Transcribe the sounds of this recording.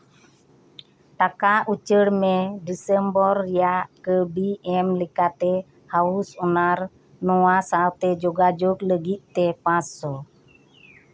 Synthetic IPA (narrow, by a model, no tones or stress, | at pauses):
t̪akaut͡ʃəɾmedisəmbɔriaʔkəbiɛmlikat̪e | hausunar | noasawt̪ed͡ʒɔɡad͡ʒukləɡiʔt̪epasɔ